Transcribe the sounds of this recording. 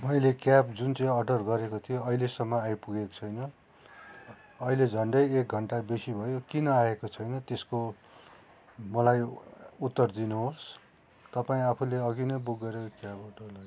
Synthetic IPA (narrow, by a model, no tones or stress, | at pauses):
mʌjlekjapd͡zunt͡sʌĩʌɖʌrɡʌɾekot̪ʰijoʌilesʌmːʌajpuɡeko̥t͡sʰʌjnʌ | ʌiled͡zʱʌɳɖʌjek̚ɡʱʌɳʈabesibʱʌjokinʌaekot͡sʰʌjnʌt̪esko | mʌlajut̪ːʌrd̪inuɦos | t̪ʌpaĩapʰuleʌɡinʌjbuɡːʌɾekkjabʌɖʌrʌ